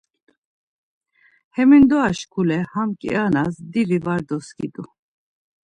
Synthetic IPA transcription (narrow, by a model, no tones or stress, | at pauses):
hɛmind̪ɔaʃkʰulɛhamkʼḭanasd̪ivivaɾd̪ɔskʼḭd̪u